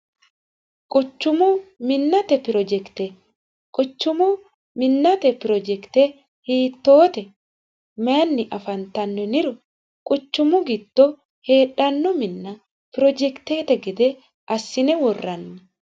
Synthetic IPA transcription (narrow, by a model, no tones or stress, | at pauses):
kʼʊt͡ʃːʊmʊmɪnːɐt̪ɛpɪɾɔd͡ʒɛkt̪ɛ | kʼʊt͡ʃːʊmʊ | mɪnːɐt̪ɛpɪɾɔd͡ʒɛkt̪ɛ | hiːt̪ːo̞ːt̪ɛ | meɐnːɪʔɐfɐnt̪ɐnːɛnɪɾʊ | kʼʊt͡ʃːʊmʊɡɪd̪ːɔ | he̞ːᶑɐnːɔmɪnːɐ | pɪɾɔd͡ʒɛkt̪eːt̪ɛɡɛd̪ɛ | ʔɐsːɪnɛwɔrːɐnːɛ